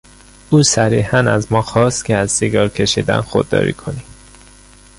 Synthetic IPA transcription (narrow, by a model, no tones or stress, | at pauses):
uːsæɾiːhænæzmɒːxɒːst̪cʰeæzsiɡɒːɾcʰe̞ʃiːd̪æ̰nxod̪ːɒ̰ːɾḭkʰo̞ni